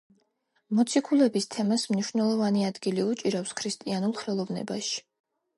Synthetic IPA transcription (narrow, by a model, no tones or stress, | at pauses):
mɔt̪sʰikʰulɛbist̪ʰɛmasmniʃwnɛlˠɔvaniad̪ɡiliut͡ʃʼiɾafskʰɾist̪ʼianulˠχɛlˠɔvnɛ̰baʃi̥